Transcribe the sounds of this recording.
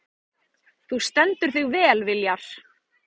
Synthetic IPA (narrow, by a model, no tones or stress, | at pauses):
θust̪ɛnt̪ʏɾ̥θʏɣvɛːlvɪljaɾ̥